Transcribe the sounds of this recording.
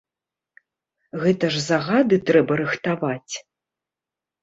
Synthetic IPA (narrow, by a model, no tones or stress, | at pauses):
ɣɛt̪ɐʐzaɣad̪ɨt̪ɾɛbɐɾɨxt̪avat͡sʲ